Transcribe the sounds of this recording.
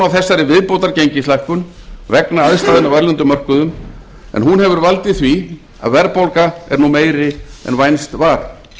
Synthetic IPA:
awθɛsːaɾɪvɪðpowt̪aɾcejɲcɪslajhkʏn | vɛknaaðst̪aːðɪnawvɛɾlʏnt̪ʏmœr̥kʏðʏm | ɛ̰nɦunhɛvʏɾvalt̪ɪθvi | a̰ðvɛɾpowlkaɛ̰ɾnumeːjɾɪɛ̰nvajnst̪vaːɾ

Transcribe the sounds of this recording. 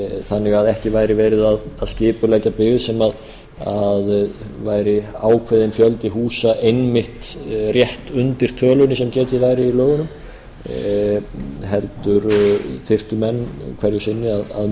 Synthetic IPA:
θanːɪɣaðɛhcɪvajɾɪvɛːɾɪðaðaðscɪːpʏlɛːcapɪɣvɪsɛmað | aðvaːjɾɪaːwkʰvɪðɪnfjœlt̪ɪɦuːsaʔejnmɪht̪rjɛht̪ʏnt̪ɪɾ̥t̪ʰœːlʏnɪsɛmcɛːt̪ɪvaːjɾɪilœːɣʏnʏm | ɦɛlt̪ʏɾθɪr̥t̪ʏmɛnːkʰvɛɾjʏsɪnːɪaða̰ð

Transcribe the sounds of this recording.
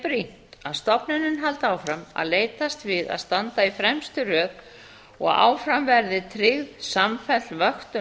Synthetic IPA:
pɾin̥t̪aðst̪ɔpnɪnɪnɦalt̪aːwfɾama̰ðleːjt̪ast̪vɪða̰ðst̪ant̪aifɾɛmst̪ʏrœːð | ɔ̰ɣa̰ːwfɾamvɛɾðɪt̪ʰɾɪɣðsamfɛlvœxt̪ʏ

